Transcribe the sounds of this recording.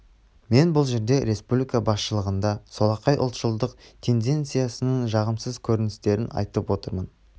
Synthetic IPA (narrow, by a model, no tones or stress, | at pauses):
me̞nbʊlˠʒe̞ɾd̪e̞ɾe̞spublʲijkabɑsʃəlˠəʁənd̪ɑsolˠɑqɑjʔʊ̰lˠt̪ʒəlˠd̪əqt̪ʲʰe̞nd̪e̞nt̪sɨjasənəɴʒɑʁəmsəzkʲʰɵɾɪnɪst̪e̞ɾɪnɑ̰jt̪əpwo̞t̪əɾmən